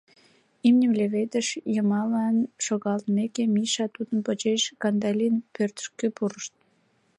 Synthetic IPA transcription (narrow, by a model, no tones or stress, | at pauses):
imnʲəmlʲeβed̪əʃjəmɑlɑnʃoɣɑlt̪mekemiʃɑt̪ud̪ənpət͡ɕeʃkɑnd̪ɑlʲinpørt̪ə̥ʃkøpuɾəʃt̪̚